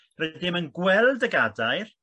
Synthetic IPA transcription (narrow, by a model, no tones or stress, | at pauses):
rɛdɪmənɡwɛlˠdəɡadaɨr